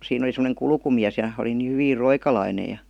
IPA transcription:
siːn oli semə̆neŋ kulkumiæs jɑ oli niː hyʋiːr roikɑlɑine jɑ

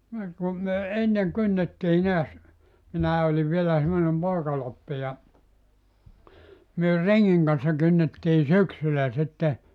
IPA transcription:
niŋ ku myø enːeŋ kynːetːiː neæs minæː oliʋ ʋielæ semːonem poˑikɑlopːi jɑ myø reŋːiŋ kɑn̞sːɑ kynːetːiː syksylæ sitːe

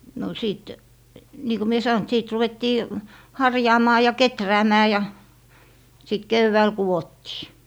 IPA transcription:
no siˑt niː ko mie sɑon t siːt ruʋetːiː hɑrjɑːmɑː jɑ ketræːmæː jɑ sit keʋːæːl kuwotːiː

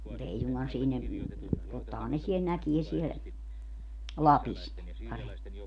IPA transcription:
mut ei suŋɡ̊ɑn siːnæ totːɑhɑn ne siel nækie siel lɑpis ne pɑremːi

